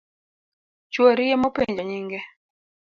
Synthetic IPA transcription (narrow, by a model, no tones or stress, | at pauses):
t͡ʃwoɾɪjemopeɲd͡ʒɔɲɪŋɡɛ